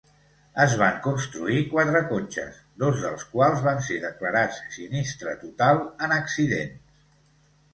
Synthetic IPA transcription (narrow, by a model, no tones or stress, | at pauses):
əzβ̞aŋkunst̪ɾuikwat̪ɾəkonʲt͡ʃə̰s | d̪ozðəlˠskwalˠzβanseðəkləɾat͡ssinist̪ɾət̪ut̪alˠənəksiðḛns